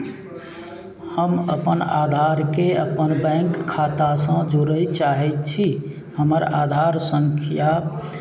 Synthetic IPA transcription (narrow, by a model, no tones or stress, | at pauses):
həmə̰pənad̪ʱaɾkeəpənbɛ̃ŋkʰːat̪asə̃d͡ʒoɾəjt͡ʃaɦɛt̪t͡ʃʰi | həməɾa̰d̪ʱaɾsəŋkʰja